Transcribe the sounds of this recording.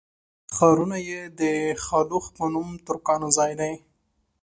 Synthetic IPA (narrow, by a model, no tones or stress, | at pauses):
xɑɾunajed̪əxɑluxpənumt̪ʊɾkɑnozɑjd̪aj